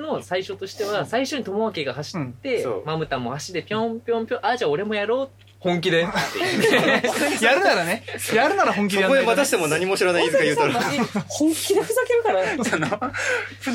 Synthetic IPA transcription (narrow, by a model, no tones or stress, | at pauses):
no̞saiɕo̞t̪o̞ɕi̥t̪e̞βasaiɕo̞ɲ̟it̪o̞maβake̞ɡahaɕi̥t̪ːe̞o̰mamɯ̟t̪amːo̞̰haɕid̪e̞pʲõmpʲjõmpʲjõʔad͡ʑao̞ɾe̞mo̞jaɾo̞ː | hõ̞ŋk̬ʲid̪e̞t̪ːe | jaɾɯ̟naɾanejaɾɯnaɾahõŋk̬ʲioejaoemat̪aɕi̥t̪e̞monaɲ̟imoɕiɾanaizɨkajɯːt̪oɾihõŋkʲi̥kʲid̪eɸɯzakeɾɯ̟kaɾaono